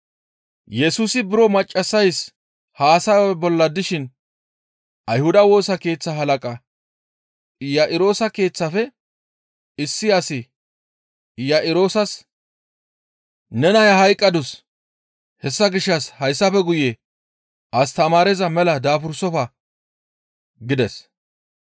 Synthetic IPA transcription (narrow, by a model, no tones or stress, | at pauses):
jɛsuːsɪbɪɾɔmɐt͡ʃʼːɐsːɐjs | haːsaɛbɔlːɐd̪ɪʃɪn | ʔɐjhʊd̪ɐwo̞ːsɐke̞ːt͡sːɐɦɐlɐkʼɐ | jɐʔɪɾo̞ːsɐke̞ːt͡sːɐfɛ | ɪsːɪɐsɪ | jɐʔɪɾo̞ːsɐs | nɛnɐjɐhɐjkʼːɐd̪ʊs | hɛsːɐɡɪʃːɐshɐjsːɐfɛɡʊje | ʔɐst̪ɐmaːɾɛzɐmɛlɐd̪aːfʊɾsɔfɐ | ɡɪd̪ɛs